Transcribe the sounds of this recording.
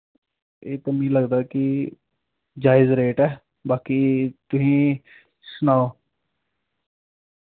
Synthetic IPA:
eːt̪əmĩːləɡd̪aːkɪ | d͡ʒaːɪzɾeːʈɛː | baːkiːt̪ʊsĩː | sʊnaːoː

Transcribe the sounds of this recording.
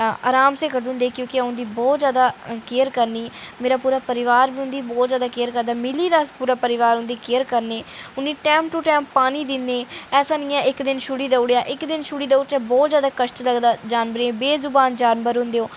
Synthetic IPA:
a̰ːɾaːmseːkəɖʊ̃nd̪eːkjõːkɪəʊ̃nd̪iːbɔːt̪zjaːd̪aːkeːəɾkəɾniːmeːɾaːpuːɾaːpəɾɪʋaːɾbiːɦʊ̃nd̪iːbɔːt̪zjaːd̪aːkeːəɾkəɾd̪aːmɪliːɾaːspuːɾaːpəɾɪʋaːɾɦʊ̃nd̪iːkeːəɾkəɾneːʊnːiːʈɛ̃ːmp̚ʈuːʈɛːmppaːñiːd̪ɪnd̪eːɛːsãːnĩːɛ̃ːʔɪkd̪ɪnʃʊɽiːd̪əʊɽejaːʔɪkd̪ɪnʃʊɽiːd̪əʊt͡ʃaːbɔːt̪zjaːd̪aːkəʃʈləɡd̪aːd͡ʒaːnbəɾẽːbeːzʊbaːnd͡ʒaːnbəɾɦʊ̃nd̪eːoː

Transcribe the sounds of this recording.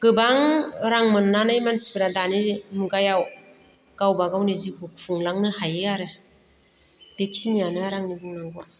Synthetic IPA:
ɡ̥ɯbaŋɾaŋmɯnːanajmansibɯɾadanimuɡajaw | ɡ̥awbaɡawnizihuk̚fʰuŋlaŋnɯhajɯaɾɯ | b̥ekʰinijanɯaɾaŋnibɯŋnaɡa

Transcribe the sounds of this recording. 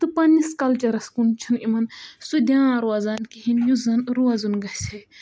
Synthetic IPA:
t̪ɨpɐnːiskɐlt͡ʃɐɾɐskunt͡ʃʰinimɐnsud̪jãːɾuɐzɐnkiɦinjuzɐnɾuɐzunɡɐhsʲʰe

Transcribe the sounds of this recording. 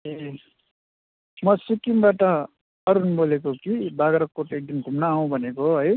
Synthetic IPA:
e | mʌsikimbaʈʌ | ʌɾunbolekokibaɡʌɾʌkkːoʈek̚d̪imɡʱumnaɦũbʱʌnekoɦʌj

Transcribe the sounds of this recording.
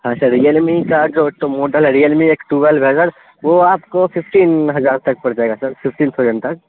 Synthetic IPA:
ɦãːʃɐɾɾijəlmikad͡ʒoːʈomoːʈəlɾijəlmieːkʈuːbəlbʱɛːzəɽ | ʋoaːpkofɪfʰʈiːnɦɐzaːɾt̪ɐk̚pɐɽɾd͡ʒaeɡasɐɾfɪfʰʈiːnsod͡ʒənt̪ɐk̚

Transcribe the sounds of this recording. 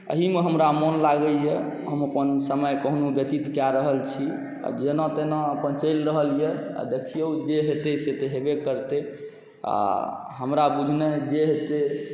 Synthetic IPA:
ə̰ɦimeɦəmɾamɔnlaɡəlje | ɦəməpənsəməjkəɦnubət̪it̪kjaɾəɦəlt͡ʃʰi | a̰d͡ʒenɔ̃t̪enɔ̃əpənt͡ʃəɪlɾəɦəlijea̰d̪ekʰijəud͡ʒeɦet̪eset̪eɦebekəɾt̪e | a̰ɦəmɾabud͡ʒʱned͡ʒeɦet̪e

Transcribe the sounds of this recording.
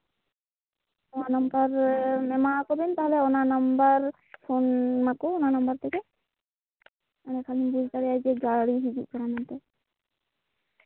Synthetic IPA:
onanambaɾmemakoɾbent̪aɦoleonanambaɾ | fʰonmakoonanambaɾt̪ʰeke | anekʰalinbud͡ʒt̪aɾead͡ʒeɡaɾaɾiɦid͡ʒiʔ̚kʰɔɾamant̪e

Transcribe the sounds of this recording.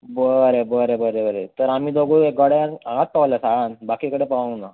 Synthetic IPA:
bəɾebəɾebəɾebəɾet̪əɾam̤iːd̪oɡueɡəɽeaɦat̪̚paʋlasaɽanbakiːkəɽepana

